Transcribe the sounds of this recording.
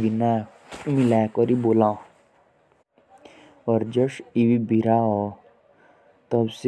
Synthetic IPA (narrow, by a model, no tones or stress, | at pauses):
ɡina | milakɔɾiboːlã | ɔɾd͡ʒɔʃiwibʱiɾaɦɔ | t̪ɔbs